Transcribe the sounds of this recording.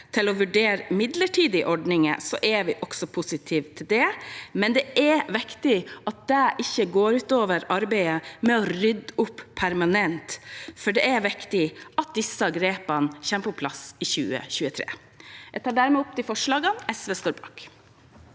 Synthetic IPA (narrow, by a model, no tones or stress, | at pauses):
t̪ʰɪlɔʋʉɖeːɾmɪd̪ləʈʰiːd̪ɪʔɔɖɳɪŋə̰sɔ̰ʔɛʋɪʔɔksɔpʰʊsɪt̪ʰiːʋt̪ʰɪld̪ɛmɛnd̪ɛʔɛʋɪkt̪ɪɑt̪̚d̪æʔɪçːəɡoːɾʉːt̪oːʋəɾɑɾbɛɪəmɛɔɾʏd̪ʊpʰːæɾmɑnɛnt̪fɔɖɛæɾʋɪkt̪ɪʔɑt̪̚d̪ɪsːɑɡɾeːpɑnçɛːməpʰɔpʰlɑsɪçʉ̰ːə̰çʉːət̪ʰɾḛː | æt̪ɑːɖæːɾmɛʊp̚t̪ʰɪfɔʂɭɑːɡənɛsʋest̪oːɾbɑ̰ːk